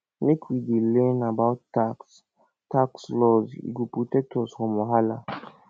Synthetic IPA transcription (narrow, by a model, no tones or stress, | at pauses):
mekʰwidelɛ̃nabaʊtːaks | takslɔzḭɡopɹotɛk̚tʰɔz̥fɔ̃mɔɦala